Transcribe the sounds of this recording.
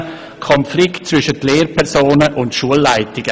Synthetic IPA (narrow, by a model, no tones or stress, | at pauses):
kʰɔnflɪktt͡svʏʃətleːɾpʰɛʁsoːnəʔʊntʃuəlːaɪtɪɡ̥ə